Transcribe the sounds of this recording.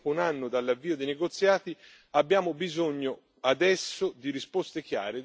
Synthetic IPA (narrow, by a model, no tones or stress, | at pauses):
unanːʊd̪alːavːiːod̪ejneɡot̪sːjaːt̪i | abːjaːmobizoɲːo | ad̪ɛsːod̪iɾispost̪ek̟ja̰ːɾe